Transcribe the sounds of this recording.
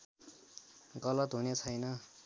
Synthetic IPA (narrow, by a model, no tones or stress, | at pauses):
ɡʌlʌt̪ɦunet͡sʰʌjnʌ